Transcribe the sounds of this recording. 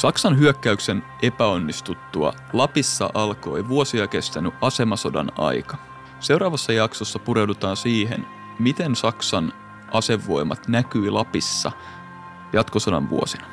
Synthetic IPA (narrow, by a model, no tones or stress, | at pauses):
sɑksɑnɦyøkːæyksenʔe̞pæo̞nːist̪ut̪ːuɑ̰ | lɑpisːɑ̰ʔɑlko̞̰ejʋuosiɑke̞st̪ænyʔʔɑse̞mɑso̞dɑ̰nɑ̰jkɑ | se̞wɾɑːʋɑsːɑjɑksosːɑpuɾe̞wdut̪ɑːnsiːɦḛn | mit̪ensɑksɑn | ʔɑse̞ʋːo̞imɑ̰t̪nækyilɑpisːɑ̰ | jɑt̪kosodɑ̰nʋṵo̰sinɑ